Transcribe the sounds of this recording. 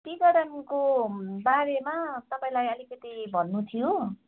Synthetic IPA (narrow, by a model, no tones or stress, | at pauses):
kiɡʌɽʌnkobaɾemat̪ʌpaĩlajʌlikʌt̪ibʱʌnːut̪ʰijo